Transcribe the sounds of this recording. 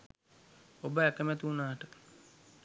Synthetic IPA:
obəækəmæt̪uunaːʈə

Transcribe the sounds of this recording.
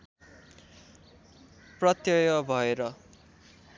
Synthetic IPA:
prʌt̪jʌjʌbʱʌeɾʌ

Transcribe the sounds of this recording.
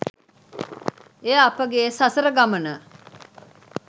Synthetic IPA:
eapəɡesasəɾəɡamənə

